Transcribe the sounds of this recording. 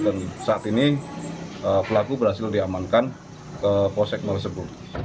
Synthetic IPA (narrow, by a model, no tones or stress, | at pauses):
dansaat̪ini | əpəlakubəɾhasɪldiamankan | kəposɛk̚mərsəbʊt̪̚